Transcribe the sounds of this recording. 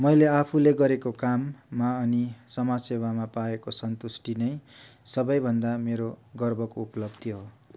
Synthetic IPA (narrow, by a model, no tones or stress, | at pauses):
mʌjleapʰuleɡʌɾekokamːaʌnisʌmasebʱamapaekosʌnt̪usʈinʌj | sʌbʌjbʱʌnd̪ameɾoɡʌrbʱʌkoupʌlʌbd̪ʱiɦo